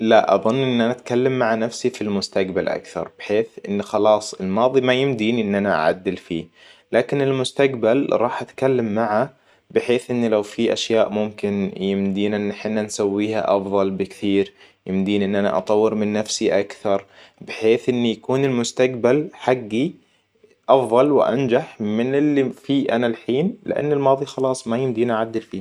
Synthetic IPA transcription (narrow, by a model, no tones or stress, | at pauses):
laʔɑ̰ðˤʊnːʔɪnːʔanaʔat̪kalːamːaʕanafsifilmʊst̪aqbalʔa̰kθɑ̰ɾˤb̥ɪħeːθʔɪnːxɑlɑːsˤɪlmɑːðˤimajɪmd̪iːniʔɪnːʔanaʔa̰ʕa̰d̪ːɪlfiː | laːkɪnɪlmʊst̪aqbalɾˤɑːħʔat̪kalːamːaʕa | bɪħeːθʔɪnːilawfiʔaʃjaːʔmʊmkɪnjɪmd̪iːnaʔɪnːɪħɪnːansawːiːha̰ʔɑfðˤɑlbɪkt̪iːɾ | jɪmd̪iːnʔɪnːʔana̰ʔɑ̰t̪ˤɑwːɪɾmɪnːafsiʔakθɑɾˤ | bɪħeːθʔɪnːijakuːnɪlmʊst̪aqbalħaɡːi | ʔɑfðˤɑlwɪʔa̰nd͡ʒaħmɪnɪlːifiːʔanalħiːnlɪ̰ʔa̰nːɪlmɑːðˤixɑlɑːsˤmajɪmd̪iːnʔaʕad̪ːɪlfiː